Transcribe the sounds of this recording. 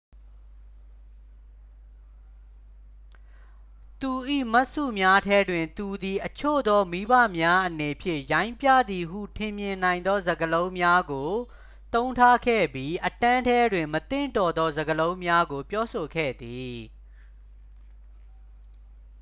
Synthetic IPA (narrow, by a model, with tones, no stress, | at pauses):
t̪u˨ʔḭ˦˨ma˦ʔsṵ˦˨mja˦tʰɛ˦dwɪ̃˨nt̪u˨d̪i˨ʔət͡ɕʰo̰˦˨d̪ɔ˦mi˦bä̰˦˨mja˦ʔəne˨pʰjɪ̰̃˦˨jã˦ɪ̃mpjä̰˦˨d̪ði˨ɦṵ˦˨tʰɪ̃˨mjɪ̃˨nã˨ɪ̃nd̪ɔ˦zə˨ɡəlõ˦ʊ̃mja˦ɡo˨ | t̪õ˦ʊ̃ntʰa˦kʰɛ̰˦˨bji˦ʔətã˦ntʰɛ˦dwɪ̃˨mət̪ɪ̰̃˦˨ntɔ˨d̪ɔ˦zə˨ɡəlõ˦ʊ̃mja˦ɡo˨pjɔ˦so˨ɡɛ̰˦˨d̪i˨